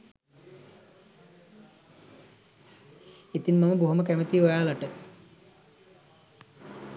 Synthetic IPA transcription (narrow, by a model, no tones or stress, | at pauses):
it̪inmaməboɦuməkæmət̪ijʋajaːlaʈə